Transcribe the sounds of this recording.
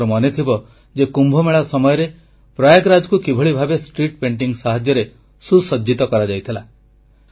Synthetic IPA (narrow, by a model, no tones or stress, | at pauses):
ɾɔmɔnet̪ʰibɔ | d͡ʒekumbʱɔmeɭasɔmɔjɔɾe | pɾajaɡɾad͡ʒɔkukibʱɔɭibʱabesʈɾiʈ̚peɳʈiŋɡsaɦad͡ʒjɔɾe | susɔd͡ʒit̪ɔkɔɾad͡ʒajt̪ʰila